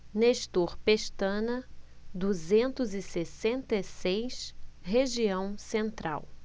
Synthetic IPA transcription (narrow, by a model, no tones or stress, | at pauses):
neʃt̪uɾpeʃt̪ɐ̃nɐd̪uzẽnt̪ʊzɪsesẽnt̪esejʃɦeʒiɐ̃w̃sẽnt̪ɾʔa̰w